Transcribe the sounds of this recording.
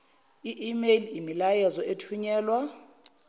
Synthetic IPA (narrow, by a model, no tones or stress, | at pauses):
iʔimeliimilajɛzɔetʰuɲɛːlwa